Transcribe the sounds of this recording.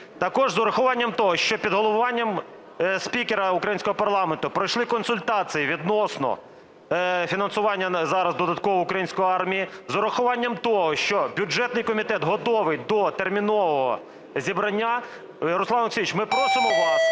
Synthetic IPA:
t̪ɐkɔʒzʊɾɐxʊʋɑnʲːɐmt̪ɔɦɔʃt͡ʃɔpʲid̪ɦɔlˠɔʋʊʋɑnʲːɐm | spʲikeɾɐʊkɾɐjinʲsʲkɔɦɔpɐrlˠɑment̪ʊpɾɔjʃlˠɪkɔnsʊlʲt̪ɑt͡sʲijiʋʲid̪nɔsnɔ̰ | fʲinɐnsʊʋɑnʲːɐzɑɾɐzd̪ɔd̪ɐt̪kɔʋɔʊkɾɐjinʲsʲkɔjiɑrmʲijizʊɾɐxʊʋɑnʲːɐmt̪ɔɦɔʃt͡ʃɔbʲʊd͡ʒɛt̪nɪjkɔmʲit̪ɛt̪ɦɔt̪ɔʋɪjʲd̪ɔt̪ermʲinɔʋɔɦɔ̰ | zʲibɾɐnʲːa | ɾʊslˠɑnɐksʲiʋʲit͡ʃmɪpɾɔsɪmɔʋɑ

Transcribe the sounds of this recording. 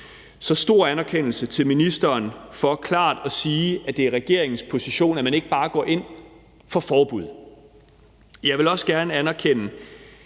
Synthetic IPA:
sɒ̽sd̥o̝ɐ̰ænæɐkʰen̰l̩sət͡sʰe̝lminisd̥ɐːnfɒ̽kʰlɑ̰̈ːd̥ɒ̽siːæd̥e̝æɐʁɛɡ̥e̝ɐe̝ŋŋ̩spʰo̝siɕo̝̰ːnæmæne̝ɡ̥əb̥ɑ̈ːɡ̥ɒ̰ːʔe̝n̰ | fɒ̽fɒːb̥uð̰ˠ | jɑ̈ɪʋe̝lɒ̽sɡ̥æɐnəænɐkʰen̰ə

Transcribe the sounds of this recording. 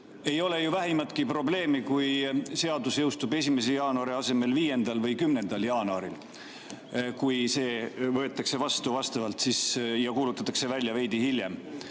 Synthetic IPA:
e̞jo̞le̞juvæɦimɑt̪ˑkipro̞ble̞ːmikujse̞ɑd̪usjɤwst̪ube̞s̬ʲime̞s̬ejɑːnuɑɾiɑse̞me̞lviːje̞nd̪̥ɑlvɤjkymne̞nd̪̥ɑljɑːnuɑɾil | kujse̞ːvɤe̞t̪ːˑɑkse̞vɑst̪uvɑst̪ɑvɑlt̪sisjɑkuːlut̪ːˑɑt̪ːˑɑkse̞vælʲːjɑve̞jd̪̥ihilje̞m

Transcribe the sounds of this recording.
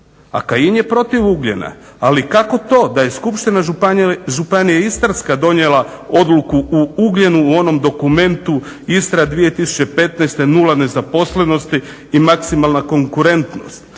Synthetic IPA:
a̰kajinjepɾo̞t̪iʋuɡʎḛna̰ | alikako̞t̪o̞ːd̪aje̞skupʃt̪inaʒupanijaist̪aɾskad̪o̞njelˠa | o̞d̪lukuʔuuɡʎenuːo̞no̞md̪o̞kume̞nt̪u | ist̪ɾad̪ʋije̞t̪isu̥t͡ɕe̞pe̞t̪naest̪e̞nulane̞zapo̞sleno̞st̪iː | maksimalˠnako̞ŋkuɾe̞nt̪no̞̰st̪

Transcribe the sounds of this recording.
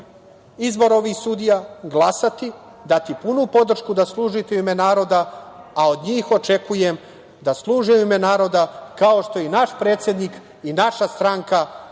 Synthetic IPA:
izbo̞ɾo̞ʋixsuːd̪ijaɡlˠasat̪i | d̪at̪ipunupo̞d̪r̩ʃkud̪aslˠuːʒit̪eimenaːɾo̞d̪aao̞d̪ɲiːxo̞t͡ʃe̞kuje̞m | d̪aslˠuːʒeimenaːɾo̞d̪akao̞ʃt̪o̞inaʃpɾe̞ːt̪sʲjed̪nik | inaʃast̪ɾaːŋka

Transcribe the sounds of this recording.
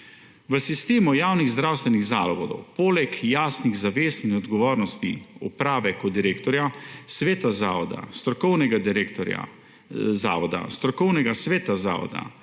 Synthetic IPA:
ʋəsist̪eːmɔjaːwniɣzd̪ɾawst̪ʋɛniɣza̰ːlɔʋɔd̪ɔ̰wpoːlɛkjaːsniɣzaʋeːst̪inɔd̪ɡɔʋoːɾnɔst̪iɔ̰pɾaːʋɛkɔd̪iɾeːkt̪ɔɾjasʋeːt̪azaɔd̪a̰st̪ɾɔkɔwnɛɡad̪iɾekt̪ɔɾa̰ | za̰ːʋɔd̪a̰st̪ɾɔkɔwnɛɡasʋeːt̪aza̰ːʋɔ̰d̪a̰

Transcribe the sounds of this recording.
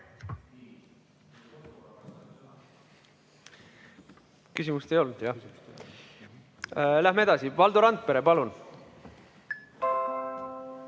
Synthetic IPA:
kysimust̪ejo̞lnud̪̥jɑ | læhmee̞d̪̥ɑsivɑld̪̥uɾɑnt̪̚pe̞ɾepɑlun

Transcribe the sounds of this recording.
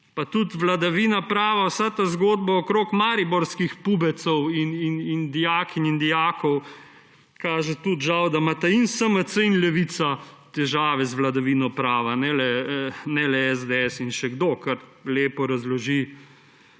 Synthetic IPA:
pat̪ut̪ʋlad̪aʋiːnapɾaːʋawsat̪azɡoːd̪̚baɔkɾoːkmaːɾibɔɾskixpubɛt̪sɔwininind̪ijaːkinind̪ijaːkʰɔw | kaːʒɛt̪ut̪ʒawd̪amat̪ainsəmət̪səinlɛʋisat̪ɛʒaːʋɛzʋlad̪aʋinɔpɾaːʋanɛlɛnɛlɛɛzd̪ɛɛsinʃɛɡd̪oːkɐɾleːpɔɾazlɔʒi

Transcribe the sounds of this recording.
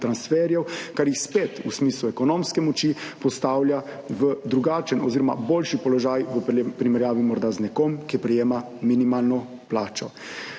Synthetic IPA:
t̪ɾansfɛɾjɛwkaɾjixspet̪usmiːsluɛkɔnɔmskɛmɔt͡ʃipɔst̪aːwlʲjaʋəd̪ɾuɡaːt͡ʃənɔziɾɔma̰boːlʃipɔlɔʒaːjʋəpɾimɛɾjaːʋimɔɾd̪aznɛkɔmkipɾɛjeːma | minimaːlnɔ | plaːt͡ʃɔ

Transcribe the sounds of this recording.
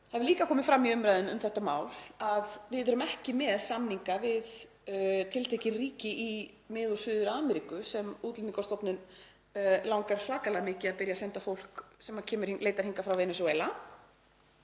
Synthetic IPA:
haðvɪliːkakʰɔːmɪfɾamːiʏmɾajðʏnʏmθɛht̪ama̰ːwlaðvɪðʏɾʏmɛhcɪmɛðsamniŋkavɪð | t̪ʰɪlt̪ʰejcɪriːcɪʔi | mɪːðɔsʏːðʏɾaːmɛɾikʏsɛmuːt̪lɪnɪkɔst̪ɔwpnɪn | lawŋkaɾ̥svaːkalaɣamɪːcɪaðpɪɾjasɛnt̪afowl̥ksɛmacʰɛːmʏɾ̥leːjt̪aɾhiŋkafɾawvɛnɛsɔɛla

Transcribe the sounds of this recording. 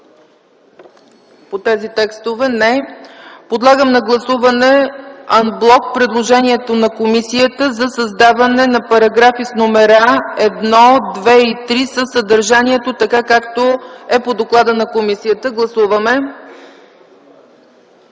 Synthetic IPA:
pot̪ɛzit̪ɛkst̪ovɛnɛ | pod̪lˠaɡəmnɐɡlˠɐsuvɐnɛɐnblˠɔk̚pɾɛd̪lˠoʒɛniɛt̪onɐkomisiət̪əzɐsɐzd̪avɐnɛnɐpɐɾɐɡɾafisnomɛɾaɛd̪nɔd̪vɛit̪ɾisəsəd̪əɾʒaniɛt̪ot̪ɐkakakt̪oɛpod̪oklˠad̪ənɐkomisijət̪əɡlˠɐsuvɐmɛ

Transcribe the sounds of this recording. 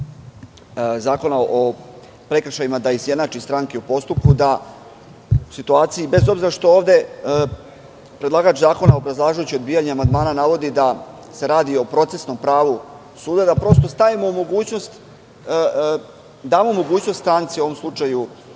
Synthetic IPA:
zaːko̞naʔo | pɾe̞kɾʃajimad̪aizje̞d̪nat͡ʃist̪ɾaŋkeupo̞st̪up̚kud̪a | usit̪uaːt̪sijibe̞zo̞bziɾaʃt̪o̞oːʋd̪e̞ | pɾe̞d̪lˠaɡaːt͡ʃzaːko̞naobɾazlˠaːʒujut͡ɕio̞d̪biːjaɲeamand̪maːnanaʋo̞d̪id̪a | se̞ɾaːd̪io̞pɾo̞t̪se̞sno̞mpɾaːʋu | suːd̪ad̪apɾo̞st̪o̞st̪aʋimo̞umo̞ɡuːt͡ɕno̞st̪ | d̪aːmomo̞ɡuːt͡ɕno̞st̪t̪ɾaːnt̪sio̞ʋo̞mslˠut͡ʃaju

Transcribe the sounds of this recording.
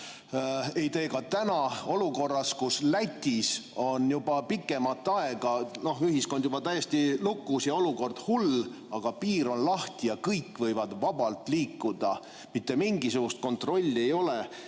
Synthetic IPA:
e̞jt̪e̞ːkɑt̪ænɑo̞luko̞rːɑskuslæt̪ʲːiso̞njubɑpikːˑe̞mɑt̪ːˑɑe̞ɡ̥ɑno̞hyɦisko̞nd̪jubɑt̪æjest̪ilukːˑusjɑoluko̞rd̪̥hul | ɑɡ̥ɑpiːɾo̞nlɑht̪ijɑkɤjkːvɤjvɑd̪vɑbɑlt̪ˑliːkːˑud̪̥ɑ | mit̪ːe̞miŋɡisuɡ̥ust̪̚ko̞nt̪ˑro̞lʲːie̞jo̞le

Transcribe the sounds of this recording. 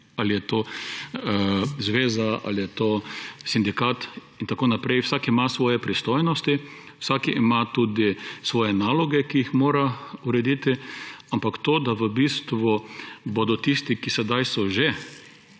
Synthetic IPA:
alijɛt̪oː | zʋeːzaa̰lijɛt̪oːsind̪ikat̪int̪akoːnapɾɛjwsakiimasʋɔːjɛpɾist̪ojnɔst̪i | wsakiʔimat̪uːd̪isʋɔːjɛnaːlɔɡɛkiixmoːɾauɾɛd̪iːt̪iampakt̪oːd̪aʋəbiːst̪ʋubod̪ɔt̪ist̪ikisɛd̪ajsɔʒe

